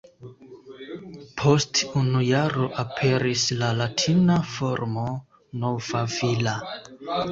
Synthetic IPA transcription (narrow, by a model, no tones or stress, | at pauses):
pʰo̞stunujaɾo̞ʔapʰe̞ɾislalatʰinafo̞ɾmo̞ | no̞vavila